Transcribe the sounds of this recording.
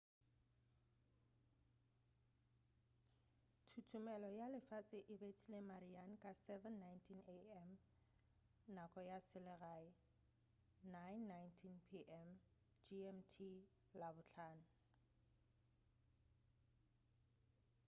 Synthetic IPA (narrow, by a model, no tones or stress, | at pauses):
tʰutʰumɛlɔjalɪfat͡sʼɪʔɪbet͡sʰilemariankʼasɛvɛnːajntʰineɛm | nakʼɔjasɪlɪɣaɪ | najnːajntʰinpʰiʔɛm | d͡ʒiɛmtʰi | labʊt͡ɬʰaːnʊ